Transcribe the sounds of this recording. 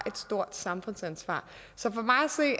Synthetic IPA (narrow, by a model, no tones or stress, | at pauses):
ʔe̝d̥sd̥o̝ɐ̰d̥sɑ̈mfɔ̽n̰sænsʋɑ̰̈ː | sɒ̽fɒ̽mɑ̈ɪæse̝̰ː